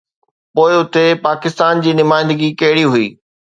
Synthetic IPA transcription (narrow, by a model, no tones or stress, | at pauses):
poːɪʊt̪epaːkɪst̪aːnd͡ʑiːnʊmaːɪ̃nd̪əɡikɐɦɪɽiɦʊḭː